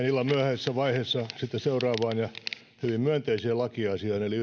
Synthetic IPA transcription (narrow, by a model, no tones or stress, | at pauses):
nilːɑmyæhæsːæʋɑiheːsːɑsit̪ːeseurɑːʋɑːnjɑ | hyʋimmyænt̪eisiːlɑkiɑsiɑːneoli